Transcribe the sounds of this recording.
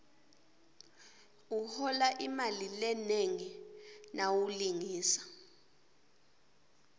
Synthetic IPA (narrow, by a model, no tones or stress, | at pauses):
uhɔlaʔimalilɛneŋinʔawuliŋiːsḁ